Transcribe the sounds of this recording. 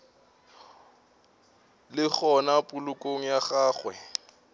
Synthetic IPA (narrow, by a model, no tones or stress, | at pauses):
lɪk͡xɔnapʼʊlʊkʼoŋ̩jaχaːχwɛ̰